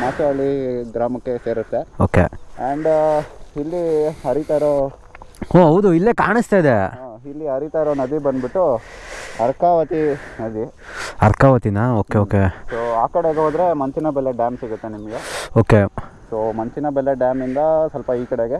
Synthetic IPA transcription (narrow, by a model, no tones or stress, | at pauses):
maːt͡ʃeaɭiɡɾaːmɐkːeseːɾut̪ːeoːkḛɐɳɖ | ilːiɦɐɾit̪aːɾo | oːɦɐʋud̪uilːeːkaːɳist̪ajd̪eilːiɦɐɾit̪aːɾoːnɐd̪ibɐnd̪biʈːu | ɐɾkaːʋɐt̪inɐd̪i | ɐɾkaːʋɐt̪inɐoːkeoːkesoːaːkɐɽeɡɦoːd̪ɾemɐnt͡ʃinɐbɛlːeɖjaːmsiɡut̪ːenimɐɡeoːkesoːmɐnt͡ʃinɐbɛlːeɖjaːmind̪ɐsɐlpɐiːkɐɽeɡe